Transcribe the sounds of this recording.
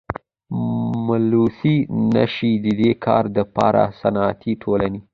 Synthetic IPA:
malusina̰ʃid̪əd̪ekʰɑɾd̪əpɑ̰ɾʔa̰sanɑat̪ʰiʈʰolane

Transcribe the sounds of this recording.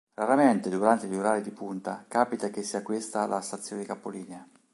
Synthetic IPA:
raɾament̪ed̪uɾant̪eluɾaːɾid̪ipunt̪akaːpit̪akesːiːakwest̪alast̪at̪sːjoːned̪ikapːoliːnea

